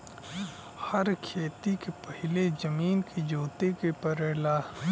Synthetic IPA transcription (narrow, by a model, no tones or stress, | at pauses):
hɐɾkʰeːt̪ikepɐɦɪled͡ʒɐmiːnkid͡ʒoːt̪ekepɐɾeːlaː